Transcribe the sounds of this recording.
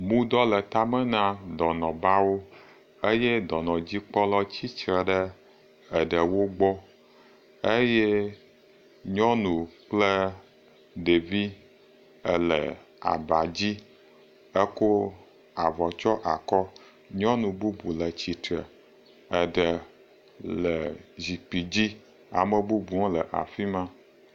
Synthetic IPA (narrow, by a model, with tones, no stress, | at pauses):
mũ˦d̪ɔ˦lə˨t̪a˦mə˦nã˦d̪ɔ˨nɔ̃˨ba˦wo˦ | e˦jɛ˦d̪ɔ˨nɔ̃˨d͡ʑi˦k͡pɔ˦lɔ˦t͡ɕi˦t͡ʃɾə˨ɖə˦ | ɛ˨ɖə˨wo˦ɡ͡bɔ˦ | e˦jɛ˦ | ɲɔ̃˦nũ˨k͡plə˦ | ɖe˨vi˦ | ə˨lə˨ | a̰˨ba˨d͡ʑi˦ | ə˦ko˦ | a˨vɔ˨t͡ʃɔ˦ʔa˨kɔ˦ | ɲɔ̃˦nũ˨bu˦bu˨lə˨t͡ɕi˨t̪ɾə˨ | ə˨ɖə˨ | lə˨zi˨k͡pi˨d͡ʑi˦ | a̰˨mə˨bu˦bu˨ŋɔ̃˦lə˨ʔa̰˨fi˦mã˦